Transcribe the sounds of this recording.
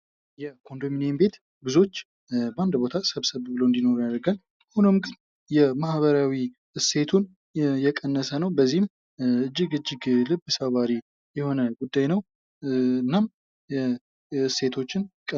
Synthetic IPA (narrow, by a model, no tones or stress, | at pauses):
jɛkʰo̞nd̪ominembe̞t̪ | ɡɨzo̞t͡ʃː | bəand̪bo̞t̪ʰasəβsəβbɨloɨnd̪ino̞ɾjad̪ɾəɡal | ahunɨmɡɨn | jɛmahβəɾawi | ɨse̞t̪ʰun | jɛkʼənːəsənəwbəzːihɪm | ɨd͡ʒːɨɡɨd͡ʒːɪɡlɨbːɨsaβaɾi | jɛho̞nəɡud̪ːajnəw | nːam | ɛ | se̞t̪ʰo̞t͡ʃːɪnkʼə